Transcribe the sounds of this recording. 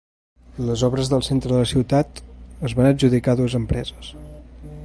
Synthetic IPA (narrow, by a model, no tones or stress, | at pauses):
ləzɔβɾəzðəlˠsent̪ɾəðələsiwt̪at̪əzβanəd͡ʒuðikaðuəzəmpɾɛzəs